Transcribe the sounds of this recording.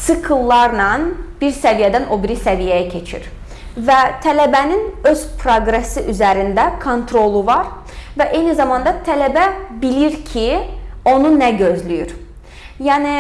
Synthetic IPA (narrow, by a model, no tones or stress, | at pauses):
sɯkʰɯlˠːɑɾnɑnb̥iɾsævijɛd̪æno̞biɾisævijɛjæcʰet͡ʃʰḭɾ̥ | væt̪ʰælæbæninøz̥pʰɾoɡɾesiʔyzæɾind̪ækʰo̞nt̪ʰɾo̞lˠuvɑɾ | væʔejnizɑmɑnd̪ɑt̪ʰælæbæbiliɾcʰio̞nunæɟøzlʲyjyɾ | jæːni